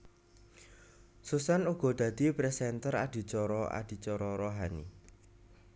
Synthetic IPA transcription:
susanuɡ̥ɔ̤d̪̥ä̤d̪̥i̤pɾɛsɛnt̪əɾad̪̥i̤t͡ʃɔɾɔa̰d̪̥i̤t͡ʃɔɾɔɾoɦanḭ

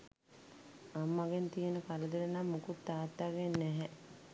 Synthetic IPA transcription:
amːaɡent̪ijenəkaləd̪eɾənamːukut̪ːaːt̪ːaːɡenːɛɦɛ

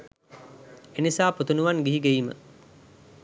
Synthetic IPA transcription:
enisaːput̪unuʋanɡiɦiɡeiːmə̰

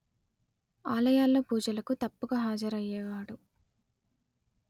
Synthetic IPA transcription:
aːlɐjaːlːoːpuːd͡ʒɐlɐkut̪ɐpːuɡaːɦaːd͡ʒɐɾɐjːɛːʋaːɽu

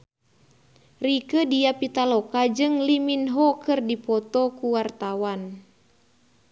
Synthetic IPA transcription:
rikədiapit̪alɔkad͡ʒɨŋliminɦɔkɨrdipɔt̪ɔkuwart̪awan

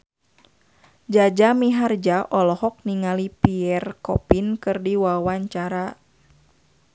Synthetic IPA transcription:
d͡ʒad͡ʒamiɦard͡ʒaʔɔlɔhɔk̚niŋalipiɛrkɔpinkɨrdiwawaɲt͡ʃaɾa

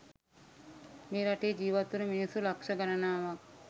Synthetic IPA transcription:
meːɾaʈejːd͡ʒiːʋat̪ːuɾuminisulakʃɐɡaɾanaːʋak̚

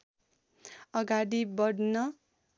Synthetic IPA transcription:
ʌɡaɽibʌɽnʌ

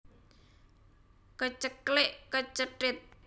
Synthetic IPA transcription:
kət͡ʃəklɪʔkət͡ʃəʈɪt̪̚

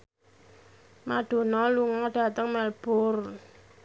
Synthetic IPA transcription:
maɖ̥o̤nɔluŋɔɖ̥a̤t̪əŋmɛlb̥ʊr

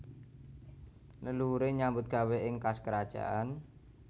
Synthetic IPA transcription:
nəluɾeɲambʊt̪̚ɡ̥a̤wɛɪŋkaskəɾad̥ʒ̥a̰ʔan

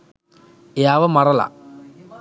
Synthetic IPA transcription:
jaːʋɐmɐrɐla̰

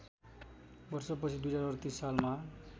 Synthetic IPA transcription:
bʌrsʌp̬ʌt͡sʰid̪ujd͡zaɾʌrt̪isːalma

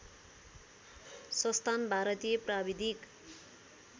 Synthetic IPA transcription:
sʌst̪ʰanbʱaɾʌt̪ijʌprabid̪ʱik

